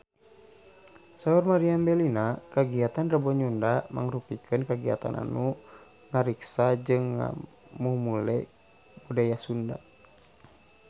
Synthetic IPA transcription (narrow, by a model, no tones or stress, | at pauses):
saurmaɾiambɛlinakaɡiat̪anrabɔɲundama̰ŋrupikʰɨnkaɡia̰t̪a̰nʔa̰nu | ŋaɾiksad͡ʒɨŋːa̰ | mumulɛ | budajasunda